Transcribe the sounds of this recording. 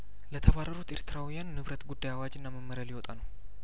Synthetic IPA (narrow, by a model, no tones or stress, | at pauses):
lət̪ʰəβarːəɾut̪eɾt̪ʰɨɾawijanːɨβɾət̪ɡud̪ːajawad͡ʒɨnːaməmːəɾəlɪwɔt̪ʼanəw